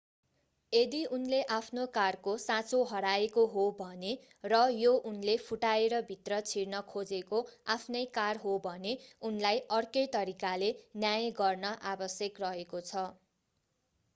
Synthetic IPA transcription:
ed̪iʔunleʔapʰnokarkosãt͡soɦʌɽaekoɦobʱʌne | rʌjoʔunlepʰuʈaeɾʌbʱit̪rʌt͡sʰiɽnʌkʰod͡zekoapʰnʌjkarɦobʱʌneunlajʔʌrkʌjt̪ʌɾikalenjajʌɡʌrnʌʔabʌsjʌkrʌɦekot͡sʰʌ

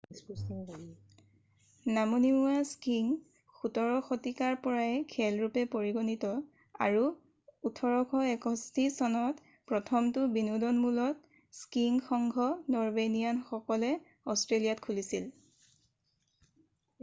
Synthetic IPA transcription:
ssi | namunimuaskiŋ | xutɔɹɔxotikaɹpɔɹaɛkʰɛlɹupɛpoɹiɡonitɔ | a̰ɹu | utʰɔɹɔkʰɔɛkɔstisɔnɔt | pɹɔtʰɔmtʊbinudɔnmulɔt | skiŋxɔŋɡʱɔnɔɹbenijanxɔkɔlɛ | ɔstɹelijatkʰulisil

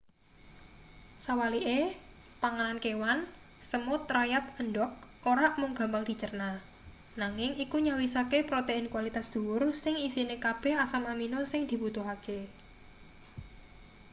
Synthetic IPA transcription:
sawaliʔe | paŋalankewan | səmʊt̪̚rajat̪̚ənɖɔk̚ | oɾaʔmʊŋɡa̤mbaŋd̪̥i̤t͡ʃərna | naŋɪŋikuɲawisakepɾot̪eɪnkwalit̪asd̪̥uwʊrsɪŋisinekab̥ɛ̤ɦasamaminosɪŋd̪̥i̤but̪ʊɦake

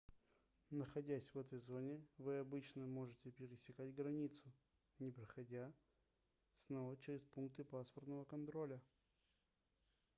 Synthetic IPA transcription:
nəxɐdʲæsʲvɛt̪əjzo̞nʲɪvɨɐbɨt͡ɕnəmo̞ʐɨtʲɪpʲɪɾʲɪsʲɪkatʲɡɾɐnʲit̪sʊ | nʲɪpɾəxɐdʲa | snovət͡ɕɪɾʲɪspunk̚t̪ɨpaspərt̪nəvəkɐnt̪ɾolʲə

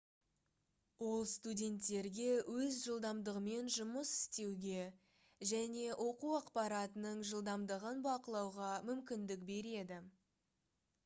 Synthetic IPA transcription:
wo̞lˠst̪udʲe̞nt̪ːe̞ɾɡʲe̞wɵzʒəlˠd̪ɑmd̪əʁəme̞nʒʊməsɪ̥st̪e̞wɡʲe̞ | ʒæne̞ʔo̞quɑqpɑɾɑt̪ənəɴʒəlˠd̪ɑmd̪əʁənbɑqəlˠɑwʁɑmʏmkʲɪnd̪ɪk̚be̞ɾe̞d̪ɪ

